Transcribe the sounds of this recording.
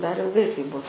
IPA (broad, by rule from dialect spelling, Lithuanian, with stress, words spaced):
dɐr ɪlˠˈɡɐɪ tɐɪp ˈbʊs